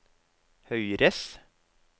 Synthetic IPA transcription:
hœʏɾəs

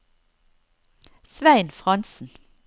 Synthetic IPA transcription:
sʋæɪnfʁɑnsn̩

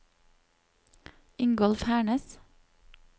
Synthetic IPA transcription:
ɪŋɡɔlfhæːɳəs

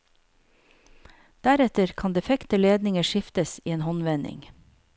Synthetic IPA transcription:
d̪̥æɾɛt̪əɾkʰɑnd̪ɛfɛkt̪əleːd̪nɪŋəʃɪft̪əsḭːeːnhɔnʋɛnɪ̰ŋ

